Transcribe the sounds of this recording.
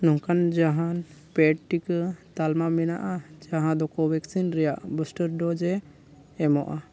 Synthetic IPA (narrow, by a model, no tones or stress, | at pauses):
nɔŋkand͡ʒaɦan | pɛʈʈikt̪almamɛna̰ʔad͡ʒaɦãd̪ɔkɔwɛksinɾɛjaʔbusʈəɾɖɔd͡ʒɛː | mɔʔa